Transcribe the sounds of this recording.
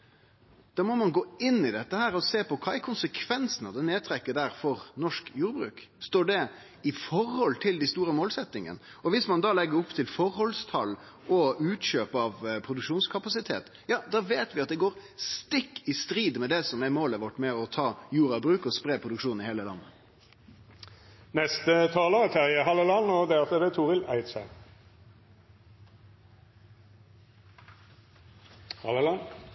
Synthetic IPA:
d̪̥ɑːɾmɔmɑnɡoːɪnːɪd̪ɛt̪ːəhæːɾɔseːpɔkʰɑːæɾkʰʊnsəkʰʋɛnsənɑd̪ɛneːd̪̚t̪ʰɾɛkːəɖ̪æɾfɔɾnɔʂkjuːɾbɾʉ̰ːk | st̪oːɖɛ | ɪfɔɾhɔlt̪ʰɪld̪æɪst̪uːɾəmoːlsɛt̪ːɪŋə̰n | ɔʋɪsmɑnd̪ɑːlɛɡːəɾʊpːt̪ʰɪlfɔɾhɔlst̪ʰɑlː | ɔʉːt̪ɕøːpɑʋpʰɾʊd̪ʉkʂuːnskʰɑpɑsɪt̪ʰḛːt̪ | jɑːd̪ɑːʋeːt̪ʋɪɑt̪̚d̪ɛɡoːɾst̪ɪkːɪst̪ɾiːd̪mɛd̪ɛsɔmɛɾmoːləʋɔʈːmɛɔt̪ʰɑːjuːɾɑbʁʉːkɔspɾeːpʰʁʊd̪ʉkʂuːn̩ɪheːləlɑ̰nːə | nɛst̪ət̪ʰɑːləʁət̪ʰæʁəɦɑləlɑnoːd̪eːʁt̪əd̪ɛt̪ʰuːʁɪlæɪt̪sə | hɑl

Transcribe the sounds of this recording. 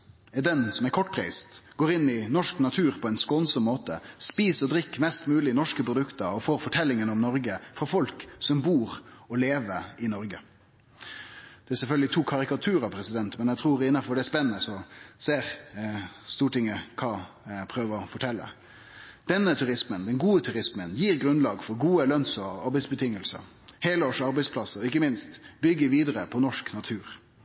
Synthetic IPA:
ɛd̪ɛnsɔmɛkʰɔʈ̚ːpʰɾḭɪst̪ɡ̥oːɾɪnːɪnɔʂknɑt̪ʰʉːɾpʰɔɛɪnskɔnsɔmːoːt̪əspiːsɔd̪ɾɪkːmɛst̪mʉːlɪnɔʂkəpʰɾʊd̪ʉkt̪əɾɔfoːɾfɔʈʰɛlːɪŋənɔmnɔɾɡəfɾɑfɔlksɔmbuːɾɔleːʋəɪnɔɾɡə | d̪̥ɛæsɛlfœlɡlɪt̪ʰuːkʰɑɾɪkɑt̪ʰʉːɾɑpʰɾɛsɪd̪ɛnt̪mɛnæɡt̪ʰɾuːɾɪnːɑfɔɖ̪ɛspɛnənəsɔseːɾ | st̪uːʈɪŋːəkʰɑː | pʰɾøːʋəɾɔfɔʈʰɛlːə̰ | d̪̥ɛnːət̪ʰʉɾɪsmənd̪ɛnɡuːət̪ʰʉɾɪsmənjiːɾɡɾʉnlɑːɡfɔɾɡuːəlœnsəɑɾbɛɪsbət̪ʰɪŋːəlsə̰ɾ | heːləoːʂɑɾbɛɪspʰlɑsəɔɪkːəmɪnst̪bʏɡəʋiːd̪əɾəpʰɔnɔʂknɑt̪ʰʉːɾ

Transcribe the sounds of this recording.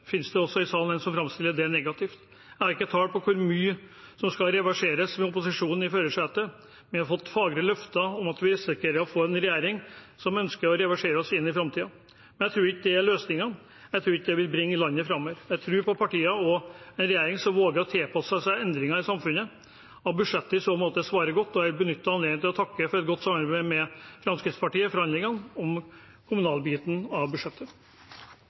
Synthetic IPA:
fɪnsd̪ɛɔsːɔɪsɑːlənɛnsɔmfɾɑmst̪ɪlːəɖɛæɳɛɡɑt̪ʰɪft̪ | jæɪhɑɾɪkːət̪ʰɑːlpʰɔkʰʊɾmyː | sɔmskɑɾɛʋæʂeːɾəsmɛʊpʊsɪʂuːnn̩ɪføːɾəʂæːt̪ə | ʋɪhɑɾfɔt̪ːfɑːɡɾəlœft̪ɑɔmɑt̪ʋɪsɪkːəɾəɔfoːɛnɾɛjæːɾɪŋ | sɔmœnskəɾɔɾɛʋæʂeːɾəɔsɪnːɪfɾɑmt̪ʰiːɑ | mɛnæt̪ʰɾuːɾɪkːəd̪ɛæɭøːsnɪŋɑ | jæɪt̪ʰɾʉːɾɪkːəd̪ɛʋɪlbɾɪŋːəlɑnːəfɾɑmːoːʋəɾjæɪt̪ʰɾʉːɾpʰɔpʰɑʈiːəɔɛnɾɛjæːɾɪŋsɔmʋoːɡəɾɔt̪ʰeːpʰɑsəsæɪɛnd̪ɾɪŋɑɾɪsɑmfʉnə | ɑt̪bʉʂɛt̪ːəɪsoːmoːt̪əsʋɑːɾəɡɔt̪ːɔæbənʏt̪ːəɑnleːɡənt̪ɪlɔt̪ʰɑkːəfɔɾɛt̪̚ɡɔt̪ːsɑmːɑɾbæɪmɛfɾɑmskɾɪt̪spʰɑʈiːəfɔɾhɑnlɪŋɑnɔm | kʰʊmʉnɑːlbiːt̪n̩ɑʋbʉʂɛt̪ʰːə

